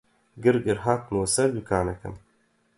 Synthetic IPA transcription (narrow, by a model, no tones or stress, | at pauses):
ɡɨɾɡɨɾɦaːt̪nwosɐɾd̪ukʰaːnɐkɨ̰m